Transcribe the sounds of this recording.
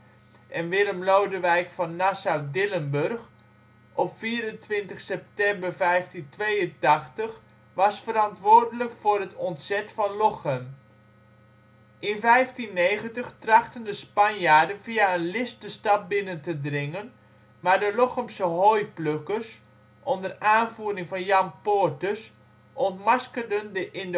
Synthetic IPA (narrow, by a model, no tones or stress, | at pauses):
ʔɛnʋɪləmlowdəʋɛjkfɑnːasawdɪlənbørχ | ʔɔpfiːɾəntʋɪntəχsɛp̚tɛmbərvɛjftintʋejəntɑχtəχ | ʋɑsfəɾɑntʋʊːɹdələkfʊːrɦətʰɔntsɛtfɑnlɔχəm | ʔɪnfɛjftinːeːjχəntəχtrɑχtəndəspɑnjaːdənviaənlɪsdəstɑt̚bɪnəntədrɪŋən | maːɹdəlɔχəmsəɦojpløkərs | ʔɔndəraːnvuːdɪŋfɑnjɑmpoɹtəs | ʔɔntmaskəldəndəʔɪnd